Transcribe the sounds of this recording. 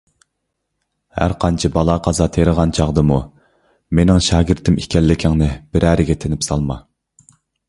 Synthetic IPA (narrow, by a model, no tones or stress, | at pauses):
hæ̰ɾqʰɑnt͡ʃʰibɑlˠɑqʰɑzɑt̪ʰeɾəʁɑnt͡ʃʰɑʁd̪ɨmu | menɪŋʃɑːɡʲɪɾt̪ʰɪmikʲʰɛlːɪkʲʰɪŋnɪb̥ɪɾʔæːɾʔɪɡʲɛt̪ʰenɪpsɑlˠmɑ